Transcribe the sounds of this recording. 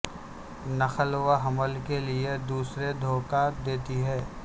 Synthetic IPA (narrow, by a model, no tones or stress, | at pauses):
nɐxəlwaɦɐməlkelied̪uːsɾed̪ʱoːkad̪eːt̪iɦɛː